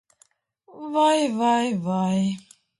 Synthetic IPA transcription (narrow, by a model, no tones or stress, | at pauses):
vajvajvaj